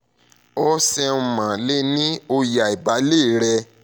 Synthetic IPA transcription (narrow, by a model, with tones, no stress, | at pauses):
ɔ˦sɛ˧˨mã˨le˦nĩ˦o˧ja˨i˨ba˨˦le˦˨ɾɛ˧